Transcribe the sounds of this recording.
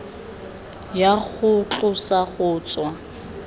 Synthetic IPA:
jaχʊt͡ɬʼʊsaχʊːt͡sʼwa

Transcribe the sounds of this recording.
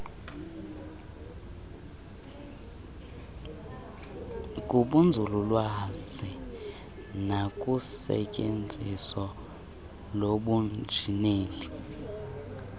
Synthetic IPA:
kʼuɓund͡zʱululwazi | nakʼusɛ̰cʼend͡zʱiswɔ | loɓund͡ʒʱineːli

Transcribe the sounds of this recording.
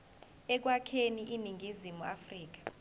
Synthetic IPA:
ɛk̬wakʰeniʔiniŋɡʱizimua̰friːk̬ḁ

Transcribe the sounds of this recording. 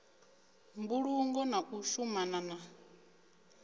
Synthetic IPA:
mbuɺuŋɡɔnaʔuʃumanana

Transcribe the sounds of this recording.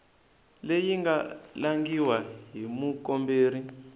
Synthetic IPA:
lejiŋɡa̰laŋɡiwaɦimukɔmbeːri

